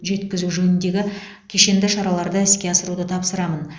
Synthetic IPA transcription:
ʒe̞t̪kʲɪzuʒɵnɪnd̪e̞ɡʲɪ | kʲʰe̞ʃe̞nd̪ɪʃɑɾɑlˠɑɾd̪əɪskʲe̞ɑsəɾud̪ət̪ʰɑpsəɾɑmən

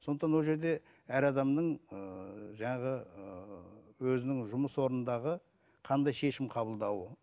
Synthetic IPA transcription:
so̞nd̪ət̪ɑnwoʒe̞ɾd̪e̞ | æɾɑd̪ɑmnəɴəʒɑɴɑʁəəwɵzɪnɪŋʒʊməswo̞ɾnənd̪ɑʁə | qʰɑnd̪ɑjʃe̞ʃɪmqʰɑbəlˠd̪ɑwə

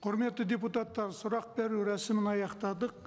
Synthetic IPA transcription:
qʰʊɾme̞t̪ːɪd̪ʲeput̪ɑt̪ːɑɾsʊɾɑq̚beɾuɾæsɪmɪnɑjɑqt̪ɑd̪əq

